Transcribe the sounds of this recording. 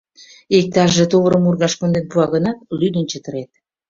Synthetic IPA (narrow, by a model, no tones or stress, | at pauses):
ek̚t̪ɑʒːet̪oβəɾəmurɣɑʃkond̪enpuɑɣənɑt̪̚lyd̪ənt͡ɕət̪ə̆ɾet̪̚